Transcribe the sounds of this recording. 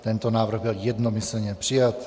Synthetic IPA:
t̪ɛnt̪onaːvr̩ɣbɪljɛd̪nomɪsl̩ɲɛpr̝̥ijat̪

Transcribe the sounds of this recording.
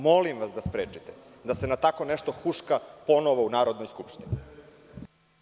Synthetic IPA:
mo̞limʋasd̪aspɾeːt͡ʃit̪ed̪ase̞nat̪ako̞neʃt̪oxuʂkapo̞noʋounaːɾo̞d̪no̞jskupʃt̪ini

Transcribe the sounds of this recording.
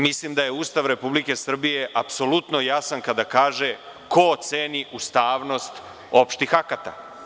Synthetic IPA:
mislimd̪aje̞uːst̪aʋɾe̞publike̞sr̩bije̞ʔapso̞lut̪no̞jasankad̪akaːʒe | kʰot̪se̞niʔust̪aːʋno̞st̪ | o̞pʃt̪ixakat̪a̰

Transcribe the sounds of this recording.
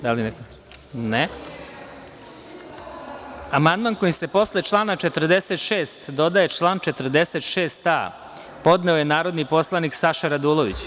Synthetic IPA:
d̪alineko | ne | amand̪manko̞jise̞po̞slet͡ʃlˠaːnat͡ʃe̞t̪r̩d̪eset̪ʃeːst̪d̪o̞d̪aje̞t͡ʂlˠaːnt͡ʃe̞t̪rd̪eset̪ʃe̞ːst̪a̰ | po̞d̪ne̞oje̞naːɾo̞d̪nipo̞slˠaniksaʃaɾad̪ulˠoʋit͡ɕ

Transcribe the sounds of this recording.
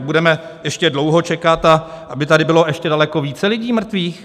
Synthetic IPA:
budɛmɛjɛʃcɛdlowɦo̞t͡ʃɛkat̪aʔabɪt̪adɪbɪlo̞ʔɛʃcɛdalɛko̞viːt͡sɛlɪɟiːmr̩t̪viːx

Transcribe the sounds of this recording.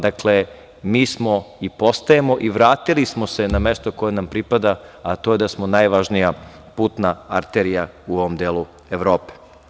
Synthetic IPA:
d̪akle | miːsmo̞ipo̞st̪ajemo̞ʔiʋɾaːt̪ilismo̞se̞name̞st̪oko̞jenampɾipad̪aat̪o̞ːje̞d̪asmonajʋaʒnija | puːt̪naaɾt̪eɾijauoʋomd̪eːlu | eʋɾo̞ːpe̥

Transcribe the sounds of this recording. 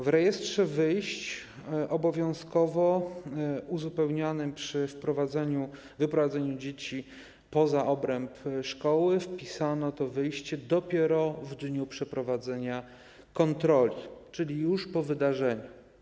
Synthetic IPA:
vɾɛjɛstʂɛvɘjɕt͡ɕ | ʔɔbɔvʲjɔ̃w̃skɔvɔ | uzupɛwɲanɘmpʂɘfpɾɔvazɛɲu | vɘpɾɔvad̪zɛɲud͡ʑet͡ɕi | pɔzaʔɔbɾɛmpʂkɔwɘfpʲisanɔt̪ɔvɘjɕt͡ɕɛd̪ɔpʲjɛɾɔvd̪ɲupʂɛpɾɔvad̪zɛɲa | kɔnt̪ɾɔlʲit͡ʂɘlʲijuʂpɔvɘd̪aʐɛɲu

